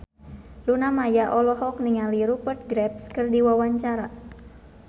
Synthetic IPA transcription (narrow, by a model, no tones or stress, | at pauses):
lunamajaʔɔlɔɦɔk̚niŋaliɾupərt̪̚ɡɾɛp̚skɨrdiwawaɲt͡ʃaɾa